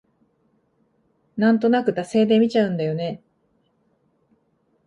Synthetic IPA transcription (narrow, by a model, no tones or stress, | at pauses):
nãnt̪o̞nakɯ̟t̪ase̞ːd̪e̞mʲit͡ɕaɯ̟̃nd̪ajo̞ne̞